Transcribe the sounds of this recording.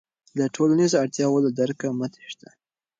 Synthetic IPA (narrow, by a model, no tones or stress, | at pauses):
laʈʰolanizoaɽt̪jɑwolad̪aɾkamat̪e̥ʃt̪a